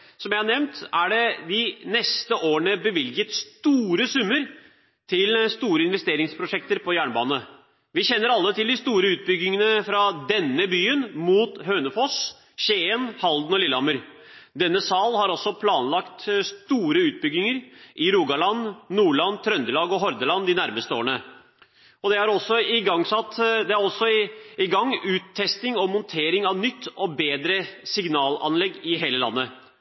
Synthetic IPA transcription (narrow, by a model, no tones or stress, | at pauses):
sɔmjæɪhɑɳɛʋnt̪æɖɛd̪ɪnɛst̪əʔoːəɳəbəʋɪljət̪st̪uːɾəsʉmːəɾ | t̪ʰɪlst̪uːɾəɪnʋɛst̪eːɾɪŋspʰɾʊʂɛk̚t̪əɾpʰɔjæːɳbɑ̰ːnə | ʋɪçɛnːəɾɑlːət̪ʰɪld̪ɪst̪uːɾəʉːt̪̚bʏɡɪŋənəfɾɑd̪ɛnːəbyːənmuːt̪ɦøːnəfɔs | ɕeːənhɑld̪n̩ɔlɪlːɑməɾ | d̪ɛnːəsɑːlɦɑɾɔsːɔpʰlɑːnlɑkt̪st̪uːɾəʉːt̪̚bʏɡnɪŋəɾʔɪɾuːɡɑɭɑnnuːɭɑnt̪ʰɾœnd̪əlɑːɡɔɦɔɾd̪əlɑnd̪ɪnæɾməst̪əoːɳə | ɔd̪ɛhɑɾɔsɔɪɡɑŋsɑt̪ːd̪ɛæɾɔsːɔɪɡɑŋːʉːt̪ʰːɛst̪ɪŋɔmɔnt̪ʰeːɾɪŋɑʋnʏt̪ːɔbeːd̪ɾəsɪɡnɑːlɑ̰nlɛɡːɪɦeːləlɑ̰nːə